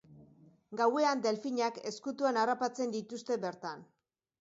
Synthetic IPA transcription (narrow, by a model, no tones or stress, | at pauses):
ɡawe̞and̪e̞lfiɲake̞skut̪uanarapat͡se̞nd̪it̪ust̪e̞be̞ɾt̪an